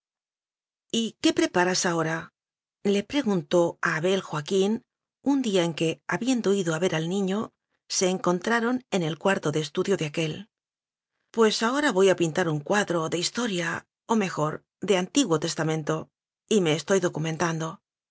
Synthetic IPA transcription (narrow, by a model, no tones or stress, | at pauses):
ike̞pɾe̞paɾasao̞ɾa | le̞pɾe̞ɣunt̪o̞aːβe̞lxwakin | und̪iae̞ŋke̞aβje̞nd̪o̞iðoaβe̞ɾʔalnĩɲo̞ | se̞ːŋko̞nt̪ɾaɾo̞ne̞ne̞lkwaɾt̪o̞ðeːst̪uðjo̞ðeake̞l | pwe̞sao̞ɾaβo̞japint̪aɾuŋkwaðɾo̞ðe̞ist̪o̞ɾja | ome̞xo̞ɾ | ðe̞ant̪iɣwo̞t̪e̞st̪amẽ̞nt̪o̞ | ime̞ːst̪o̞jðo̞kumẽ̞nt̪and̪o̞